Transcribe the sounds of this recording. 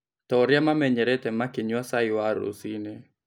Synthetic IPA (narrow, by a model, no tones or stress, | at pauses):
tɔɾjamamɛɲɛɾɛtɛmakɪɲwasaɪwaɾo̰sinɛ